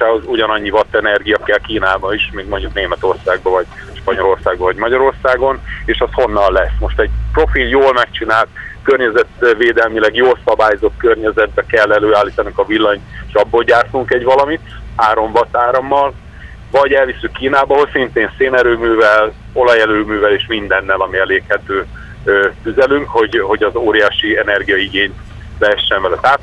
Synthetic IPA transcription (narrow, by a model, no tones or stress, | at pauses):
ʃaːho̞zuɟɒnɒɲːivɒt̪ːɛnɛrɡijɒkɛlkiːnaːbɒiʃmiːɡmo̞ɲɟukneːmɛt̪o̞rsaːɡ̚bɒvɒɟ̥ʃpɒɲo̞lo̞rsaːɡ̚bɒvɒɟmɒɟɒɾorsaːɡo̞neːʃɛsho̞nːɒlːɛsmo̞ʃt̪ɛɟ̚pro̞filjoːlmɛkt͡ʃinaːlt̪̚kørɲɛzɛt̪veːd̪ɛlmilɛɡjoːlsɒbaːjzo̞t̪̚kørɲɛzɛd̪̚bɛkɛlːɛløːaːlːiːt̪ɒnuŋkɒvilːɒɲeʃɒbːoːlɟaːrt̪uŋkɛɟvɒlɒmit̪haːɾo̞ɱvɒt̪ːaːɾɒmːɒl | vɒɟɛlvisːykːiːnaːbɒɦocsint̪eːnseːnɛɾøːmyːvɛl | o̞lɒjɛløːmyːvɛleːʃmind̪ɛnːɛlɒmiɛleːkhɛt̪øː | øt̪yzɛlyŋkho̞ɟho̞ɟɒzoːɾijaːʃiɛnɛrɡijɒiɡeːɲt̪ | lɛɛʃːɛɱvɛlɛt̪aːt̪